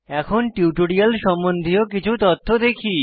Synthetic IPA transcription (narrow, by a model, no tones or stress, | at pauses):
ɛkʰonʈiʈoɽialʃɔmbond̪ʱiokit͡ɕʰut̪ot̪ʰːod̪ekʰi